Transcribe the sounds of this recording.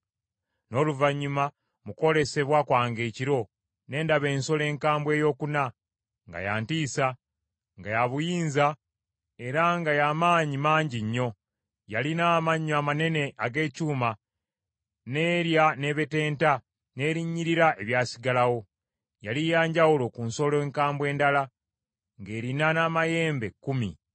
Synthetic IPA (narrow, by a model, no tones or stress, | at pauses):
no̞ːluvaɲːuma | muko̞le̞se̞βwakwaːŋɡe̞ːciɾo̞ | ne̞ːndaβe̞ːnso̞le̞ːŋkaːmbwe̞jo̞ːkuna | ŋɡa̰ja̰ːntiːsa | ŋɡajaβujiːnza | e̞ɾaŋɡajaːmaːɲimaːɲɟiɲːo̞ | jalinaːmaɲːamane̞ne̞ʔaɡe̞ːcuːma | ne̞ːɾjane̞ːβe̞te̞ːnta | ne̞ːɾiɲːiɾiɾaʔe̞βjaːsiɡalawo̞ | jalijaːɲɟawulo̞kuːnso̞leːŋkaːmbwe̞ːndala | ŋɡe̞ːɾinanaːmaje̞ːmbe̞kːumḭ